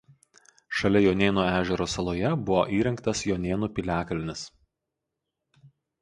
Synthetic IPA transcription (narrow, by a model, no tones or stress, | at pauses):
ʃɐlʲɛjoːnʲeːnuːæːʒʲɛɾoːsɐlˠoːjɛbʊʋoʔiːɾʲɛŋkt̪ɐsjoːnʲeːnuːpʲɪlʲæːkɐlʲɪnʲɪs